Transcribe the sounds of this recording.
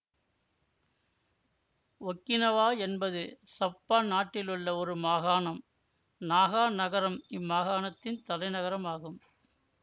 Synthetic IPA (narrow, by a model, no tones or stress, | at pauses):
ɔkːɪnɐʋaːɛnbɐðɯsɐpːaːnaːʈːɪlɯɭːɐɔɾɯmaːɣaːnɐm | naːɣaːnɐɣɐɾɐmɪmːaːɣaːnɐt̪ːɪnt̪ɐlɐɪnɐɣɐɾɐmaːɣɯm